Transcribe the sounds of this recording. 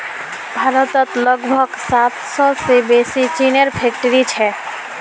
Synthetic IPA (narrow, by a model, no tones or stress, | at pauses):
bʱaɾət̪ət̪ləɡbʱəɡsat̪sɔsebesit͡ʃineɾbʰʱek̚ʈəɾit͡ʃʰɛ